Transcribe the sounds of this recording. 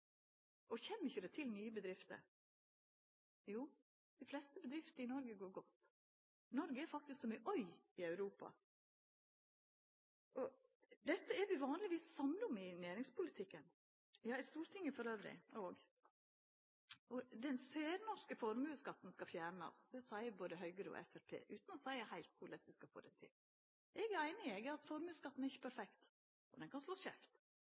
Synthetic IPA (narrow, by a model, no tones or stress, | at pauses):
ʔɔçɛmːɪçːəd̪ɛt̪ʰɪlnyːəbəd̪ɾɪft̪ə̰ɾ | juː | d̪̥ɪflɛst̪əbəd̪ɾɪft̪əɾɪnɔɾɡəɡoːɾɡɔt̪ː | nɔɾɡəɛɾfɑk̚t̪ɪsksɔmyʔœʏ | ɪœʉɾuːpɑ̰ | ʔɔ | d̪ɛt̪ːəæɾʋɪʋɑːnlɪʋiːsːɑmnɔmɪnæːɾɪŋspʰʊlɪt̪ʰɪkːən | jɑːɛst̪uːɾt̪ʰɪŋːəfɔɾøːʋɾɪ̰ɔːɡ | ɔd̪ɛnseːɾnɔʂkəfɔɾmʉːskɑt̪ːn̩skɑfjæːɳɑ̰sd̪̥ɛsæɪəboːd̪əɦœʏɡəɾəɔ̰ʔɛ̰fæɾpʰḛːʔʉːt̪n̩ɔsæɪəhæɪlt̪̚kʰʊlɛst̪əskɑfo̰ːd̪ɛnt̪ʰɪ̰l | ʔɛɡæɪnɪɛɡɑt̪fɔɾmʉːskɑt̪ːn̩ɛɾɪçːə̥pʰæɾfɛkt̪ | ʔɔd̪ɛnkʰɑnslosçæft̪